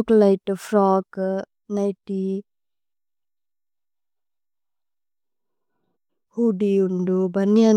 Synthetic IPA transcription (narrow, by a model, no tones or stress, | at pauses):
klajtəfʰɾɔk | najti | hudiundubania